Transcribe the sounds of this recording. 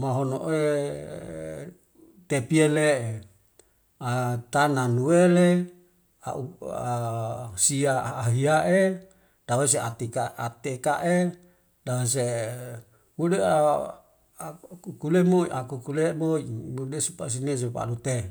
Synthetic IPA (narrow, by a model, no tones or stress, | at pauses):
maɦono̰ʔe | t̪epielee | at̪ananuwele | aʔuasiaːɦiaʔe | d̥awes̬eat̪ikaʔat̪ekaʔe | dawes̬e | mude | kukulemoiʔakukulemoiudesupas̬ines̬epa̰lut̪e